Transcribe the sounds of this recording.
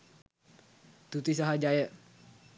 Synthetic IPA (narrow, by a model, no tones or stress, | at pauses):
t̪ut̪is̬aɦad͡ʒajə